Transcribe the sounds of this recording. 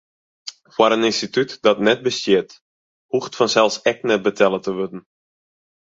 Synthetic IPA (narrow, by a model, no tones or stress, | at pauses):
fwaɾənɪnstitytd̥ɔtnɛt̚bəstjɪt | huxtfɔnsɛlˠsɛk̚nɛt̚bətʰɛlˠətəʋødn̩